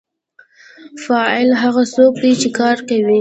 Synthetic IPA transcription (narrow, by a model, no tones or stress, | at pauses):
fɑɪlɦaɣasokwit͡ʃekɑɾkawi